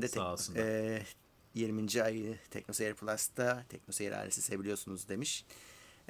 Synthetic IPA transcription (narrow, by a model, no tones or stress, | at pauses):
d̪ɛsɛ | jiɾmind͡ʒiajɯt̪ʰɛ̰cno̞sejiɾpʰlˠast̪ʰat̪ʰɛc̚no̞sejaɾa̰ɾesisebilijo̞sunuzd̪e̞miʃ